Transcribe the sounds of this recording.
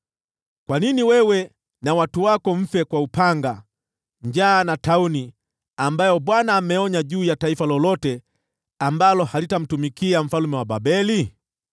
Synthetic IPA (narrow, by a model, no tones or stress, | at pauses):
kwaniniwɛwɛ | nawatuwakɔm̩fɛkwaupaŋɡa | ɲd͡ʒaːnatauni | ambajɔɓwanaːmɛɔɲaʄuːjataifalɔlɔtɛ | ambalɔhalitam̩tumikiam̩falumɛwaɓabɛli